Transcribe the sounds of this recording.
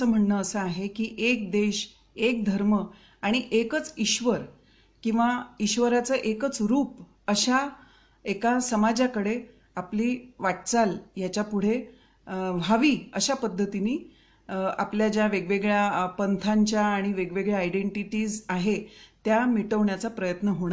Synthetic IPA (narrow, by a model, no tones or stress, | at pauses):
əːm̤əɳːəːsəaɦekiːʔek̚d̪eɕ | ek̚d̪ʱəɾmə | aɽ̃iʔekət͡siɕʋəɾ | kĩw̃ʋaiɕʋəɾat͡səʔekət͡sɾuːp | əɕa | ekasəmad͡ʑakəɽe | apliːʋaʈ̚t͡saljat͡ɕjapuɽ̤e | ʋʱaʋiːəɕapəd̪ʱːət̪iniː | a̰pljad͡ʑjaʋeɡʋeɡɭjapənt̪ʰaɲt͡ɕjaːɽ̃iʋeɡʋeɡɭjaajɖeɳʈiʈiːzaɦet̪jamiʈəʋɳjat͡sapɾəjət̪nəɦoɽ̃a